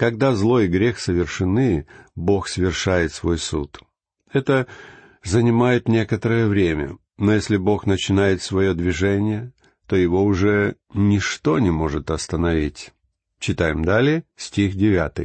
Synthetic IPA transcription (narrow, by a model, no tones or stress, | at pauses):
kɐɡ̚d̪azlˠo̞jɪɡɾʲe̞xsəvʲɪrʂɨnɨbo̞xsəvʲɪrʂajɪt̪svo̞jsṵt̪ | ɛt̪ə | zənʲɪmajɪt̪nʲe̞kət̪əɾəjəvɾʲemʲə̰ | no̞jesʲlʲɪbo̞xnət͡ɕɪnajɪt̪svɐjo̞d̪vʲɪʐɛnʲɪjə | t̪o̞jɪvo̞ʊʐɛ | nʲɪʂt̪o̞nʲɪmo̞ʐɨt̪ɐst̪ənɐvʲitʲ | t͡ɕɪt̪ajɪmd̪alʲɪjəsʲtʲixdʲɪvʲat̪ɨ̰j